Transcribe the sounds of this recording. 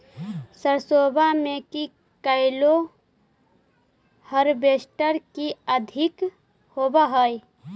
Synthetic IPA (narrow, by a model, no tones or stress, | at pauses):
səɾsoːbʱameki | kəɪlo | həɾbesʈəɾkiəd̪ʱɪk | hoːbəɦəj